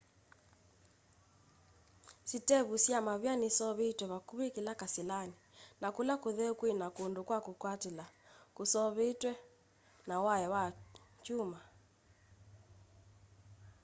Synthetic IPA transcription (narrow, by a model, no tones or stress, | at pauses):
sitɛβusjamaβjanisɔβetwɛβakuβekelakasilaninakulakoðɛkwenakondokwakokwatelakosɔβetwɛ | nawaɛwat͡ʃuma